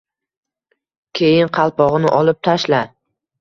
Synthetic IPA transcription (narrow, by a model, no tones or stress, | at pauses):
kʲʰejɪnqʰɑlˠpɒʁɨnɪʔɒlɪp̚t̪ʰaʃla